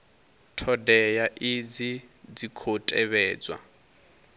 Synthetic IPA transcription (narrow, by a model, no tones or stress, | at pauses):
tʰɔdɛjaʔid͡zid͡zikʰotʼɛβɛːd͡zwa̰